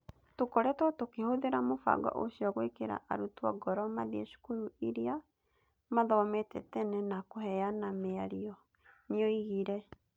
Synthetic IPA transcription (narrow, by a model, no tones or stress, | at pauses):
tokɔɾɛtɔtokehoðeɾamofa̰ɡɔ̰ʔo̰ɕiɔɣwekeɾa̰ʔa̰ɾutwa̰ɡɔɾɔmaðiɛʃu̥kuɾuiɾia | maðɔmetɛ̰tɛnɛnakohɛjanameaɾiɔ | niɔiɣiɾɛ